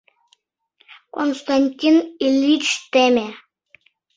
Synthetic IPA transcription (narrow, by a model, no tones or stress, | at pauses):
konst̪anʲtʲinilʲːit͡ʃt̪emʲe